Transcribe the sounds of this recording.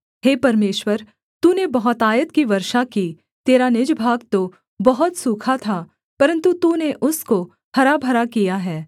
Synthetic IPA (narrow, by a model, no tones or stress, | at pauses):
heːpɐɾmeːʃwəɾ | t̪uːnebɐɦɔt̪aːjət̪kiʋɐɾʃaki | t̪eːɾanɪd͡ʒbʱaːɡt̪o | bɐɦɔt̪suːkʰat̪ʰaː | pɐɾə̃nt̪ut̪uːneʔʊsko | hɐɾabʱɐɾakijaɦɛː